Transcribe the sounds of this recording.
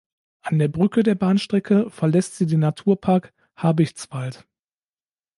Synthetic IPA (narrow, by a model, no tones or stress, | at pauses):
ʔandeːɐbʁʏkədeːɐbaːnʃtʁ̥ɛkʰəfɛɐlɛstz̥iːdeːnatʰuːɐpʰaɐk | haːbɪçt͡sv̥alt